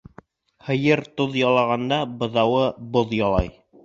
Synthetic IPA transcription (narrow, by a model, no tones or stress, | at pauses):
hɤ̆jɤɾt̪oðjɑlˠɑʁɑnd̪ɑbɤ̆ðɑwɤboðjɑlˠɑ̰j